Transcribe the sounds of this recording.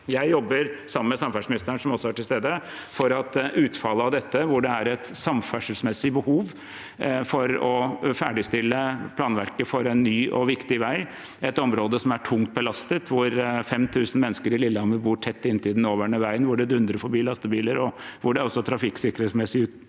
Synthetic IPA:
jæɪjɔbːəɾsɑməmɛsɑmfæʂmɪnɪst̪ɾæɳʂɔmɔsɔæʈɪlst̪eːd̪əfɔɾɑt̪ʉːt̪fɑləɑʋd̪ɛt̪ːəʋʊɖɛæɾɛt̪sɑmfæʂəlsmɛsːɪbəhuːʋ | fɔɾɔfæːɖɪst̪ɪlːəpʰlɑːnʋæɾkəfɔɾɛnːyːʔɔ̰ʋɪkt̪ɪʋæɪ | ɛt̪ɔmɾoːd̪əsɔmæʈʰʊŋt̪̚bəlɑst̪ət̪ʰʋʊɾfɛmt̪ʰʉːsn̩mɛnːəskəɾɪlɪlːəhɑməbuːʈʰɛt̪ːɪnːt̪ʰɪd̪ɛnoːʋæɳəʋæɪənʋʊɖɛd̪ʉnd̪ɾəɾfɔɾbiːlɑst̪əbiːləɾɔʋʊɖɛæɾɔsːɔt̪ʰɾɑfɪksɪkəɾɛsmɛsɪʉːt̪

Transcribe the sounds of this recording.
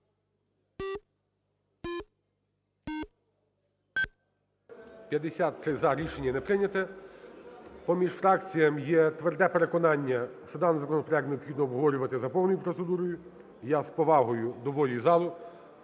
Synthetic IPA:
pʲjɐd̪esʲat̪ːɾɪzɐɾʲiʃenʲːɐnɛpɾɪnʲɐt̪ɛ | pɔmʲiʃfɾɑkt͡sʲijɐmjɛt̪ʋerd̪ɛpe̞ɾekɔnɑnʲːɐʃt͡ʃɔd̪ɑnzɐkɔnɔpɾɛkneɔpxid̪nɔːbʱɦɔʋɔɾʲʊʋɐt̪ɪzɐpɔwnɔjʊpɾɔt̪sed̪uɾɔjʊ | jaspɔʋɑɦɔjʊd̪ɔʋɔlʲizɑlˠʊ

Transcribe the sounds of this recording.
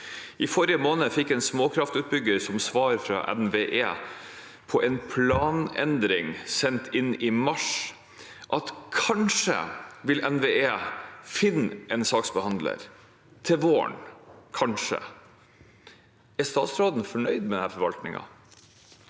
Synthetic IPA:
ʔɪfɔɾɪjəmoːnəfɪkːɛːnsmoːkʰɾɑft̪ʉːt̪̚bʏɡəɾsɔmsʋɑːɾfɾɑ̰ːʔɛ̰nʋeːʔeː | pʰɔʔɛnpʰlɑːnɛnd̪ɾɪŋsɛnt̪ʰɪnːɪmɑʂ | ʔɑt̪kʰɑnʂə̰ʋɪlɛnʋeːʔeːfɪnːʔɛnsɑːksbəhɑnd̪lə̰ɾ | t̪ʰɪlʋoːə̰ɳkʰɑnʂə̰ | æst̪ɑːt̪sɾoːd̪n̩fɔɳœʏd̪̚mɛd̪ɛnhæːɾfɔɾʋɑlt̪nɪ̰ŋɑ̰

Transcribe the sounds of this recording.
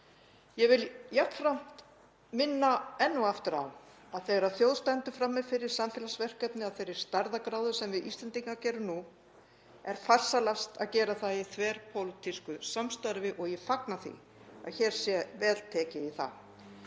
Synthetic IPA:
jɛɣvɪljafɾam̥t̪ | mɪnːaɛnːuaft̪ʏɾa̰w | aðθeɣaɾaðθjowðst̪ɛnt̪ʏfɾamːɛðfɪɾɪɾ̥samfɛːlasvɛr̥kɛpnɪaðθejɾɪɾ̥st̪aɾðakɾaːwðʏsɛmvɪðʔḭst̪lɛnt̪iŋkacɛːɾʏnu | ɛɾ̥far̥salafst̪a̰ðcɛːɾaθaiθvɛɾ̥pʰoːwlʏt̪ʰiskʏsamst̪aɾvɪʔɔɣjɛfaknaθḭ | a̰ðçɛːɾ̥sjɛvɛːlt̪ʰɛːcɪiθa̰

